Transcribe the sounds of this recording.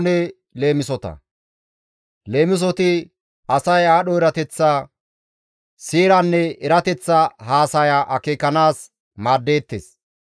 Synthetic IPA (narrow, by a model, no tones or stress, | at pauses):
nɛ | le̞ːmɪsɔt̪ɐ̰ | le̞ːmɪs̬ɔt̪ɪ | ɐsɐjaːɗɔɪɾɐt̪ɛt͡sːaː | siːɾɐnːɛɪɾɐt̪ɛt͡sːaɦaːsɐjaʔɐkeːkːɐnaːs | maːd̪ːe̞ːt̪ːḛːs